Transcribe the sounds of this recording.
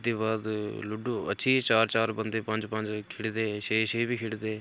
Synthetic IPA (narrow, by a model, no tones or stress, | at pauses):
d̪eːbaːd̪lʊɖoːə̰tːʃʰiːt͡ʃaːɾt͡ʃaːɾbənd̪eːpə̃ɲd͡ʒpə̃ɲd͡ʒkʰɪɽd̪ẽːʃeːʃeːbiːkʰɪɽd̪ẽː